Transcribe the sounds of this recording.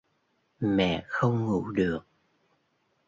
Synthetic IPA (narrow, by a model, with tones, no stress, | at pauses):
mɛ̰˧˨xə˧wŋ͡mŋṵ˧˥ɗɨ˨˩ək̚